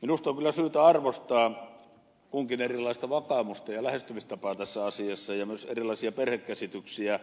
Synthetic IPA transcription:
minust̪oŋkylːˑæsyːt̪æɑrʋost̪ɑː | kuŋkinerilːˑɑist̪ɑʋɑkɑˑmust̪ɑjɑlæhest̪ymist̪ɑpɑːt̪æsːæɑsiɑsːɑjɑmyøsḛrilˑɑˑisiɑperhekkæsit̪yksiæ

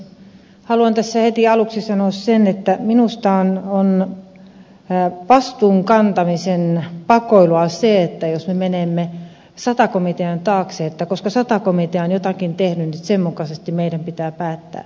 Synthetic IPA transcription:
hɑluɑnt̪æsːæhet̪iɑluksisɑnoːˑssenet̪ːæminust̪ɑonon | pɑst̪uːŋkɑnt̪ɑmisenpɑkoiluɑseet̪ːæjosmemenemːe | sɑt̪ɑkomit̪eɑnt̪ɑːkseːet̪ːækoskɑsɑt̪ɑkomit̪eɑonjot̪ɑkint̪ehnynnit̪semmukɑsest̪imeidæmpit̪æːpæːt̪ːæ̰ː

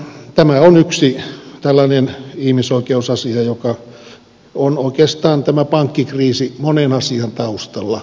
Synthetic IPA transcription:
t̪æmæonyksit̪ælːɑnenihmisoikeusɑsiɑjokɑ | onoikeːst̪ɑːnt̪æmæpɑŋkːikriːsimonenɑsiɑnt̪ɑust̪ɑlːɑ

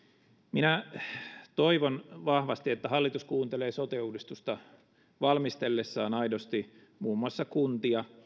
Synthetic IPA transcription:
minæ | t̪o̞iʋonʋɑhʋɑst̪iet̪ːæɦɑlːit̪uskuːnt̪eleːsot̪euːdist̪ust̪ɑ | ʋɑlmist̪e̞lːesːɑːnɑidost̪i | muːmːuɑsːɑkunt̪iɑ

